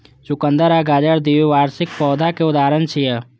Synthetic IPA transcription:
t͡ʃʊkə̃nd̪əɾaɡaːd͡ʒəɾd̪iːʋiʋaːɾsɪk̚pɔːd̪ʱakeʊd̪aːɾənt͡ʃʰijə

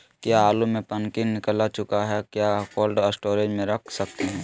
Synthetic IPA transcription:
kjaaːlumẽpɐnkɪnnɪkəlat͡ʃʊkaɦɛkjaːkoːlɖəsʈoːɾed͡ʒmẽɾɐkʰsɐkt̪eɦɛ̃ː

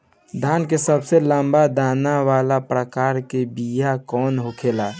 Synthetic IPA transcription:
d̪ʱaːnkesəbseləmbad̪aːnaʋalapɾəkaːɾkebijakɔːnɦokʰela

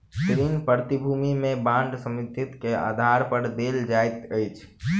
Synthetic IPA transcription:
kɾinpəɾt̪ibʱumimẽbãɳɖsəmid̪ʱit̪kea̰d̪ʱaɾpəɾd̪eld͡ʒajt̪əjt͡ʃʰ

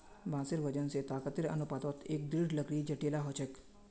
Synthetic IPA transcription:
bʱãːsɪɾʋɐd͡ʒənset̪aːkət̪ɪɾɐ̰nʊpaːd̪ɔt̪ʰeːk̚d̪ɾiɖʱlɐɡɽid͡ʒɐʈeːlaɦot͡ʃʰək

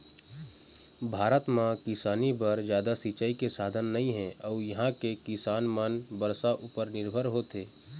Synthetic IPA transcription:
bʱaːɾət̪mãkɪsaːnibəɾd͡ʒjaːd̪asit͡ʃaːikesaːd̪ʱənːɐɦĩɦɛ̃ʔɔːɾjɐɦãkekɪsaːnmənbəɾsaʔupəɾnɪɾbʱəɾɦot̪eː

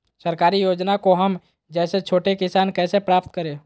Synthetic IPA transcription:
səɾkaːɾijoːd͡ʒnakoɦɐm | d͡ʒɛːset͡ʃʰoːʈekɪsaːnkɛːsepɾaːpt̪kəɾẽː

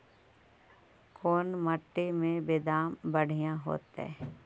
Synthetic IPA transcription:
kʰoːnməʈːemẽbed̪aːmbəɽ̤ʱijãɦo̰ːt̪ɛ̰ː

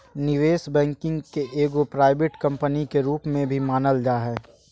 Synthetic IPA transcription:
nɪʋeːsbɛ̃ːŋkɪ̃ŋɡkeʔeːɡopɾaːɪbeʈkɐ̃mpənikeɾuːpmẽbʱimaːnəld͡ʒaːɦɛː

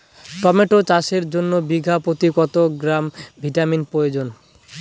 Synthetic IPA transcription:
ʈɔmeʈot͡ɕaʃeɾd͡ʑonːobiɡʱapot̪ikɔt̪oɡɾambʱiʈaminpɾojod͡ʑon

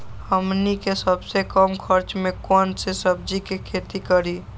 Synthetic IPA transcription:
həmnikesəbsekəmkʰəɾt͡ʃmekɔnsesəb̚d͡ʒikekʰet̪ikəɾi

